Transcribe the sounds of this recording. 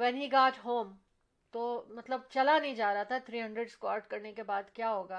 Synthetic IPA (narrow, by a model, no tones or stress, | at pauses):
ʋɛːnɦiɡaːʈɦoːm | t̪oːmɐt̪ləb̚t͡ʃɐlanɐɦĩd͡ʒaːɾɐɦat̪ʰat̪ʰɾiːɦɐ̃ɳɖɾeɖskwaːɾʈkɐɾnekebaːd̪kjaːɦoːɡaː